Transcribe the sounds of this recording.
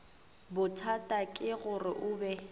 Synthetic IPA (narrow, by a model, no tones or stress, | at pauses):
bʊtʰatʼakʼɪɣʊrɪ̰ʔʊːbɛ